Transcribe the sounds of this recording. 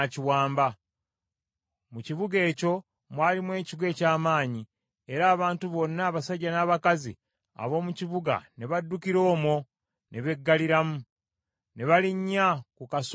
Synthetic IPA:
aciwaːmba | muciβuɡe̞ːco̞ | mwaːlimwe̞ːciɡwe̞ːcaːmaːɲi | e̞ɾaːβaːntuβo̞nːaːβasaɟːanaːβakazi | a̰βo̞ːmuciβuɡa̰ne̞βadːukiɾo̞ːmo̞ | ne̞βe̞ɡːaliɾamu | ne̞βaliɲːakukas

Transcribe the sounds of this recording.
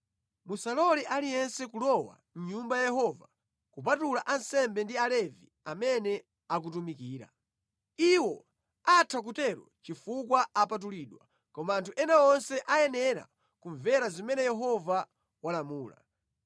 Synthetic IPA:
musalɔliʔalijɛnsɛkulɔwa̰ | n̩ɲumbajjɛhɔva | kupatulaʔansɛmbɛndialɛvḭ | amɛnɛ | ak̬utumikiːɾa̰ | iwɔ | atʰak̬utɛɾwɔ̰t͡ʃifukwaapat̬uliːɗwa | kɔmaːntʰuʔɛnaɔnsɛʔajɛnɛɾa̰ | kuɱvɛɾazimɛnɛjɛɦɔva | walamuːla̰

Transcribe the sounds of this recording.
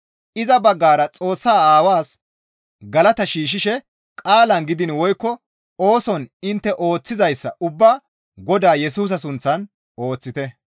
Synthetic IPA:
ʔɪzɐbɐɡːaːɾɐt͡sʼo̞ːsːaːaːwaːs | ɡɐlɐt̪ɐʃiːʃ̬ɪʃɛ | kʼaːlɐnɡɪd̪ɪnwɔjkːɔ | o̞ːsɔnɪnt̪ːɛʔo̞ːt͡sːɪzɐjsːɐ̰ʔʊbːaː | ɡɔd̪aːjɛsuːs̬ɐsʊnt͡sːɐn | oːt͡sːɪt̪ɛ

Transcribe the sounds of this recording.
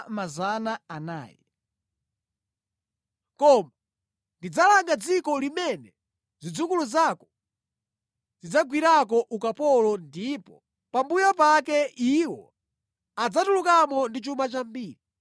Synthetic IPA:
mazanaana̰ːjɛ | kɔma | ndid͡zalaŋɡad͡zikɔlimɛnɛ | zid͡zukuluzakɔ̥ | zid͡zaɡwiɾak̬ɔʔukapɔlɔndipɔ | pambujɔpakɛiwɔ̰ | ad͡zatulukamɔndit͡ʃumat͡ʃambiːɾi

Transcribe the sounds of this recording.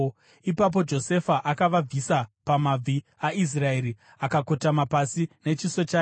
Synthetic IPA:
ipap̬o̞d͡ʒo̞se̞faʔakaʋab͡visapamab͡vi | ais̬rae̞ɾi | akako̞tamapasine̞t͡ʃiso̞t͡ʃaː

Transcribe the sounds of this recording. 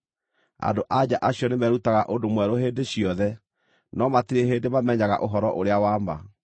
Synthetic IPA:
a̰ndoʔad͡ʑaʔaɕjɔnemɛɾutaɣaʔondomwɛɾoɦeːndeɕjɔðɛ | nɔmatiɾeɦeːndemamɛɲaɣa̰ʔoɦɔɾɔʔoɾeawaːmba̰

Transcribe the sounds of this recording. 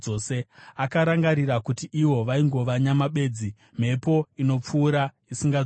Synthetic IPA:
ose̞akaɾaŋɡaɾirakutiʔiwo̞ʋaiŋɡo̞ʋaɲamaɓe̞ːd͡zi | m̤e̞po̞ino̞p͡fuːɾa | isiŋɡa

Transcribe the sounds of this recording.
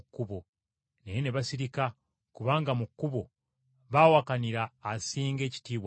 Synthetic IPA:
kːuβo | nejeneβasiɾika | kuβaːŋɡamukːuβo̞ | βaːwakaniɾaːsiːŋɡe̞ːci̥tiːβwa

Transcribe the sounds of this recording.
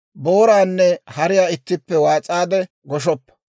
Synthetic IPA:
bo̞ːɾaːnːɛhɐɾɪjaːɪt̪ːɪpːɛwaːt͡sʼaːd̪ɛ | ɡɔʃ̬ɔpːɐ̥

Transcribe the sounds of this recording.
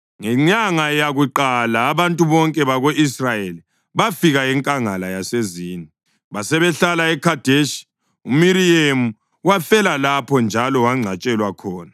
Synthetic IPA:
ŋɛɲaŋajaɣuǃalaːβantʼuβɔŋkʼɛβaɣoʔisrajeli | βafiɣaɛŋkʼaŋalajaseziːni | βasɛβɛɬalaɛkʰad̥ʱeʃi̥ | umiɾiemu | wafɛlalapʰɔnd͡ʒʱalɔwaŋ͡ǀʱat͡ʃʼɛlwakʰɔːna

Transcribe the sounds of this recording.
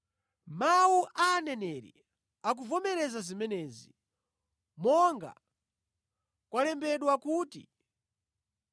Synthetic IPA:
mawuʔanɛnɛɾḭ | ak̬uvɔmɛɾɛzazimɛnɛːzi | mɔŋɡa̰ | kwalɛmbɛɗwakuːtḭ

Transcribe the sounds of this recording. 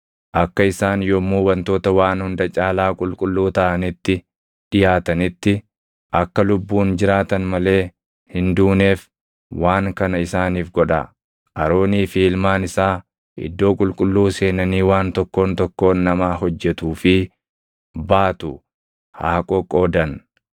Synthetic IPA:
ʔɐkːɐɪsaːnjɔmuːbɐnt̪o̞ːt̪ɐwaːnhʊnd̪ɐt͡ʃʼaːlaːkʼʊlkʼʊlːuːt̪ɐʔɐnɪt̪ːɪ | ᶑɪjaːt̪ɐnɪt̪ːɪ | ʔɐkːɐlʊbːuːnd͡ʒɪɾaːt̪ɐnmɐle̞ː | hɪnd̪uːne̞ːf | wʔaːŋkɐnɐɪsaːniːfɡɔᶑɐ̰ | ɐɾo̞ːniːfiːlmaːnɪsaː | ʔɪ̰d̪ːo̞ːkʼʊlkʼʊlːuːse̞ːnɐniːwaːnt̪ɔkːo̞ːnt̪ɔkːo̞ːnːɐmaːɦɔd͡ʒːɛt̪uːfɪ | baːt̪ʊ | haːkʼokʼːoːd̪ɐn

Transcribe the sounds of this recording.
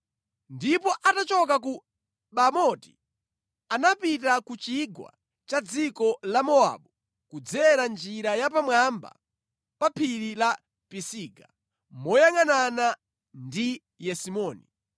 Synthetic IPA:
ndipɔʔatat͡ʃɔk̬ak̬u | ɓamɔti̥ | anapitakut͡ʃiɡwa̰ | t͡ʃad͡zikɔlamɔa̰ɓu | kud͡zɛɾand͡ʒiɾajap̬amwamba̰ | papʰiɾila | pisiːɡa̰ | mɔjaŋanana | ndi | jɛsimɔːni

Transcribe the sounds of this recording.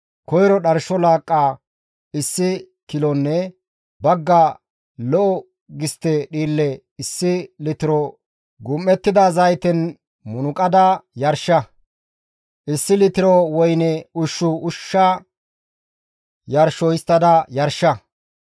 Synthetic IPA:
kɔjɾɔɗɐɾʃɔlaːkʼːaː | ɪsːɪ | kɪlɔnːɛ | bɐɡːa | lɔʔɔ | ɡɪst̪ːɛɗiːlːɛ | ɪsːɪlɪt̪ɪɾɔ | ɡʊmːɛt̪ːɪd̪azɐjt̪ɛn | mʊnʊkʼɐd̪ɐjɐɾʃɐ | ʔɪsːɪlɪt̪ɪɾɔwɔjnɛʊʃːʊʊʃːa | jɐɾʃɔɪst̪ːɐd̪ɐjɐɾʃːɐ

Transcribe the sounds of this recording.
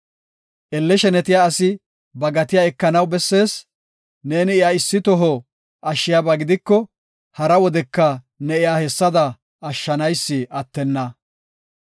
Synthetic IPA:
ʔɛlːɛʃɛnɛt̪ɪjaːsɪ | bɐɡɐt̪ɪjaɛkːɐnɐwbɛsːe̞ːs | ne̞ːnɪɪjaɪsːɪt̪ɔɦɔ | ʔɐʃːɪjabɐɡɪd̪ɪkːɔ | hɐɾɐwɔd̪ɛkːɐ | nɛɪjaːhɛsːɐd̪ɐ | ɐʃːɐnɐjsːɪʔɐt̪ːɛnːɐ

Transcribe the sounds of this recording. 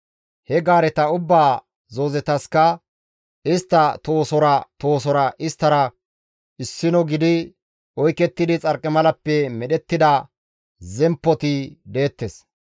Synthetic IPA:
hɛɡaːɾɛt̪ɐʊbːaː | zo̞ːzɛt̪ɐskɐ | ɪst̪ːɐt̪o̞ːsɔɾɐt̪o̞ːsɔɾɐʔɪst̪ːɐɾɐ | ɪsːɪnɔɡɪd̪ɪ | ʔɔjkɛt̪ːɪd̪ɪt͡sʼɐɾkʼːɛmɐlɐpːɛmɛɗɛt̪ːɪd̪ɐ | zɛmpːɔt̪ɪd̪e̞ːt̪ːes

